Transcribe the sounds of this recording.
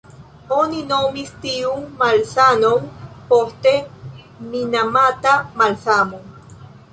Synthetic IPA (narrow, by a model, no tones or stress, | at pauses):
oninomist̪iuŋmalsanoŋpoht̪e | minamat̪amalsamo